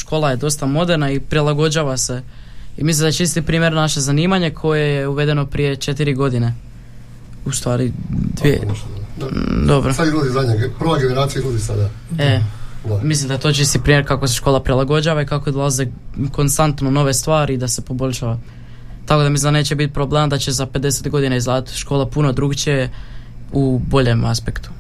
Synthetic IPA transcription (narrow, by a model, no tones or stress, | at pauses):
ʃkoːlˠajed̪o̞st̪amo̞d̪e̞ɾnaipɾilˠaɡo̞d͡ʒaːʋase̞ | imislĩmd̪ajet͡ʃist̪ipɾiːmʲje̞ɾnaʃe̞zaniːmaɲekʰo̞jejeuʋe̞d̪e̞no̞pɾije̞t͡ʃet̪iɾiɡo̞d̪ine̞ | ust̪ʋaːɾid̪iḛ | d̪obɾosaizud̪izaɲeɡpɾʋaɡemeɾaːt̪iaizuːd̪isad̪a | ed̪amislimd̪aet̪o̞ːt͡ʃist̪ipɾiːmje̞ɾkako̞seʃko̞ːlapɾilˠaɡo̞d͡ʑaːʋaikako̞id̪olˠazeko̞nst̪ant̪nono̞ʋe̞st̪ʋaːɾiːd̪ase̞po̞bo̞ʎʲʃaːʋa | t̪ako̞d̪amislind̪ane̞ːt͡ɕebit̪̚pɾoblemd̪at͡ɕe̞zaped̪e̞set̪ɡo̞d̪inaizlˠaːd̪at̪ʃkoːlˠapunod̪ɾuːɡt͡ɕe | ubo̞ʎe̞maspekt̪u̥